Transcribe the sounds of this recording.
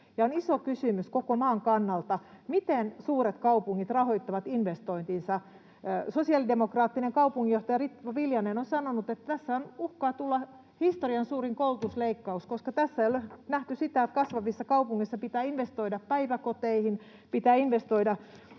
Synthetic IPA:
jɑonisokysymyskokomɑːŋkɑnːɑlt̪ɑmit̪ensuːɾet̪kɑupuŋːit̪rɑhoit̪ːɑʋɑt̪inʋest̪oint̪insɑ | sosiɑlidemokrɑːt̪ːineŋkɑupuŋːijoht̪ɑjɑrit̪ʋɑʋiljɑnenonsɑnonut̪et̪ːt̪æsːæonuhkɑːt̪ulːɑ | hist̪oriɑnsuːriŋkoult̪usleikːɑuskoskɑt̪æsːæjolnæht̪ysit̪æet̪kɑsʋɑʋisːɑkɑupuŋːisːɑpit̪æːinʋest̪oidɑppæiʋækot̪eihin | pit̪æːinʋest̪oidɑ

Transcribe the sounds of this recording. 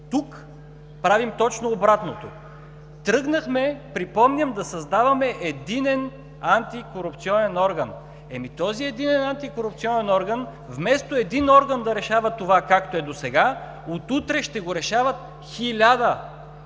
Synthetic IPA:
t̪uk | pɾavimt̪ɔt͡ʃnoːbɾat̪not̪o̰ | t̪ɾɤɡnɐxmɛpɾipɔmnʲəmd̪ɐsɐzd̪avɐmɛʔɛd̪inɛn | ant̪ikoɾupt̪siɔnɛnɔɾɡən | ɛmit̪ɔziɛd̪inɛnant̪ikoɾup̚t̪siɔnɛnɔɾɡən | vmɛst̪oɛd̪inɔɾɡənd̪ɐɾɛʃavɐt̪ovakakt̪oɛd̪osɛɡa | ot̪ut̪ɾɛʃt̪ɛɡoɾɛʃavɐt̪̚ | xilʲad̪ə

